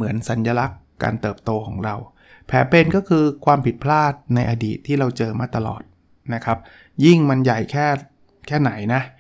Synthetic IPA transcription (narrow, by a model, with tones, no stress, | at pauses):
mɯ˩˦ənsa˩˦njaː˧la˦˥kːa̰ː˧nt̪ɤː˨˩p̚t̪oː˧kʰɔː˩˦ŋɾa˧w | pʰɛː˩˦˥pe˧nkɔː˥˩kʰɯː˧kʰwaː˧mpʰi˨˩t̪̚pʰlaː˥˩t̪̚na˧jʔa˧dḭː˨˩t̪ʰːiː˥˩ɾa˧wt͡ɕɤː˧maː˥˩t̪a˧lɔ̰ː˨˩t̪̚ | na˦˥kʰa˦˥p̚ | ji˥˩ŋma˧nja˨˩jkʰɛː˥˩ | kʰɛː˥˩na˩˦jna˦˥ʔ